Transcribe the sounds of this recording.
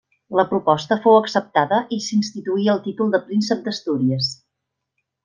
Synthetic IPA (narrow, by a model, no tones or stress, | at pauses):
ləpɾupɔst̪əfowəksəp̚t̪aðəʔisinst̪it̪uiəlˠt̪it̪ulˠd̪əpɾinsəp̚d̪əst̪uɾiəs